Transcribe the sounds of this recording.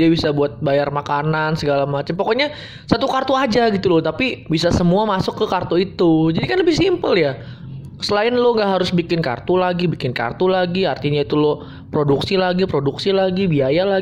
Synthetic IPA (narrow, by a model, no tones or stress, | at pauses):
iabisabuat̪̚bajarmakanansəɡalamat͡ʃampokoɲa | sat̪ukart̪uad͡ʒaɡit̪ulʊt̪apibisasəmuamasʊkːəkart̪oit̪ud͡ʒadikanləbɪhsimpəlja | səlaɪnloŋɡaʔɦaɾʊsbikɪnka̰rt̪ulaɡibikɪnka̰rt̪ulaɡiart̪iɲait̪ulo | pɾoduksilaɡipɾoduksilaɡibiajala